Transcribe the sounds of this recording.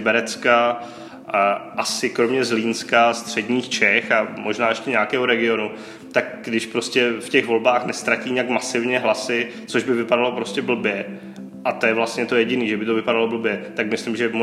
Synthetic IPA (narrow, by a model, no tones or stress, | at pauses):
bɛɾɛt͡ska | ʔasɪkɾo̞mɲɛzliːnskast̪r̝̥ɛdɲiːxt͡ʃɛxamʔo̞ʒnaːjɛʃcɛɲɛakɛːɦoɾɛɡɪo̞nu | t̪ak̚ɡdɪʃpɾo̞scɛfcɛɣvo̞lbaːxnɛst̪ɾaciːɲɛjakmasɪvɲɛɦlasɪ | t͡so̞ʒbɪvɪpadalo̞pɾo̞scɛbl̩bjɛ | ʔat̪ojɛvlast̪ɲɛt̪o̞jɛɟɪniːʒɛbɪt̪ovɪpadalo̞bl̩bjɛt̪akmɪslɪmʒɛm